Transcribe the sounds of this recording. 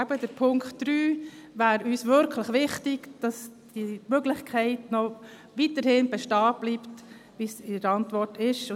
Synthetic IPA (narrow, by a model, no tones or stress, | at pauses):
æb̥ədəɾpʰʊŋkχtːɾyːvæːɾyːsʋʏɾkʰləχʋɪχtɪɡd̥ɑsd̥imøɡlɪχkʰɛɪtnɔ | ʋitəɾhɪnbɛʃtɑːb̥lipt | ʋisɪɾɑntvʋɔɾtɪʃʊ